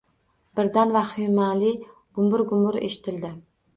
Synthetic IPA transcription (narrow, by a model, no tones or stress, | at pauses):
b̥ɪɾd̪anvahɪmalɪ | ɡ̥ʊmʊɾɡʊmʊɾḛʃɪ̥t̪ʰɪld̪ɪ